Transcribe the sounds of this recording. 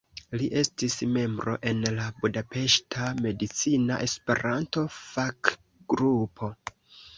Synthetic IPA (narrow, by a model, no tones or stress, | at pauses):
liʔe̞stisme̞mbɾo̞̰ʔe̞nlabudape̞ʃtʰame̞dit͡sinaʔe̞spe̞ɾanto̞fak | ɡ̥ɾupʰo̞